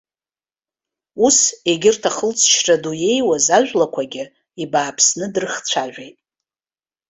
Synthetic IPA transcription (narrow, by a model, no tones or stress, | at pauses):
use̞ɡʲɪrtʰaχəlt͡sʰʃraduje̞jwazaʒᶣʷlakʷʰaɡʲɪ | ibaːpʰsnɨdrɨχt͡sʷʰaʒᶣʷejtʼ